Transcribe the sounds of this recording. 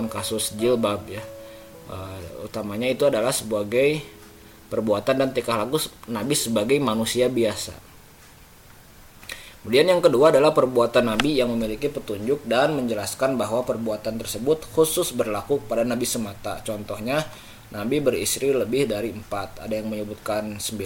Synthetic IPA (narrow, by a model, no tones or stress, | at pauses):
nkasʊsd͡ʒilbab̚ja | ʔəṵt̪amaɲait̪uadalahsəbaɡaj | pərbuat̪andant̪ikaɦlaɡunabisəbaɡajmanusiabiasa̰ | kəmudianjaŋkəduaːdalahpərbuat̪anːabijaŋməmilikipət̪uɲd͡ʒʊk̚danməɲd͡ʒəlaskanbaɦwapərbuat̪ant̪ərsəbʊt̪̚husʊsbərlakukəpadanabisəmat̪a̰t͡ʃɔnt̪ɔhɲa | nabibəɾḭst̪ɾiləbɪhdaɾiəmpat̪̚a̰dajaŋməɲəbut̪̚kansəmbi